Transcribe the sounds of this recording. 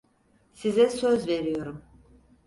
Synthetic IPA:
sizɛsøzveɾijo̞ɾum

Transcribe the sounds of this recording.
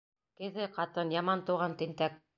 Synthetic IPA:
kɘ̆ðɘqɑt̪ɤnjɑmɑnt̪ŭʁɑnt̪ɘ̆nt̪æk

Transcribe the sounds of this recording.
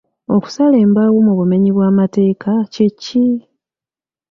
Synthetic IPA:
oku̥saleːmbaɣumuβume̞ɲiβwaːmate̞ːkʰacicːi

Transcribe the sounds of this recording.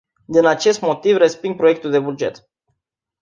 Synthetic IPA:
d̪inat͡ʃe̞st̪mo̞t̪ivrespiŋɡ̚pɾoek̚t̪uld̪e̞bud͡ʒe̞t̪

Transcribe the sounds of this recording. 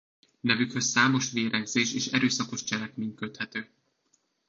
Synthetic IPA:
nɛvykhø̞sːaːmo̞ʃʋeːɾɛɡzeːʃeːʃɛɾøːsɒko̞ʃt͡ʃɛlɛkmeːɲkøt̪hɛt̪øː

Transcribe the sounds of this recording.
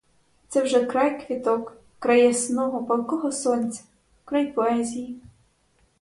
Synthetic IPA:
t̪sɛwʐɛkɾajkvʲit̪ɔkː | ɾajɛsnɔɣɔpɐlˠkɔɣɔsɔnʲsɐ̥ | kɾajpɔazʲiji

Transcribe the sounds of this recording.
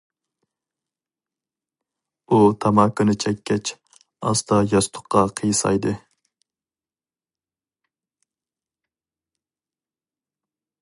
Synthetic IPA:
ut̪ʰɑmɑːkɨnɨt͡ʃʰɛkʲːɛt͡ʃ | ɑ̰st̪ʰɑjɑst̪ʰʊ̥qːɑqʰəjsɑ̰jd̪ɨ

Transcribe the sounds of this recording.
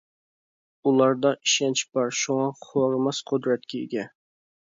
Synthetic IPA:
ulˠɑɾd̪ɑiʃɛnt͡ʃʰbɑɾʃuŋɑχoɾmɑsqʰʊd̪ɾɛt̪̚kʲɛḛɡʲɛ

